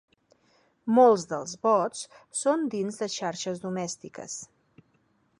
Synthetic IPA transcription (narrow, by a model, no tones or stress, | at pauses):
molˠzðəlˠzβɔt͡ssond̪inzðəʃaɾʃəzdumɛst̪ikə̰s